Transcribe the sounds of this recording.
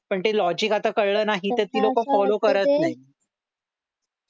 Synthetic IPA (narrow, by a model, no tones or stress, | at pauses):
pəɳt̪elɔd͡ʑikat̪akəɽɭəːnaɦit̪et̪iːlokəfɔlokəɾət̪naɦi